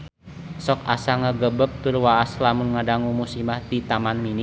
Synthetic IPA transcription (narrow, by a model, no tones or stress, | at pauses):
sɔkasaŋəɡəbəp̚t̪ʊrwaːslamʊnŋadaŋumusimaht̪it̪amanmini